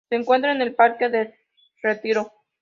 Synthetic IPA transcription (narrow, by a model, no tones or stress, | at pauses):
seːŋkwe̞nt̪ɾaene̞lpaɾkeðe | ret̪iɾo